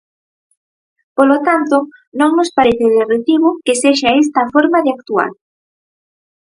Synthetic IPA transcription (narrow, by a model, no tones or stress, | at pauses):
polot̪ant̪o | nõŋnospaɾeθɪðeret̪iβʊkeseʃaest̪ɐfoɾmaðeak̚t̪ua̰ɾ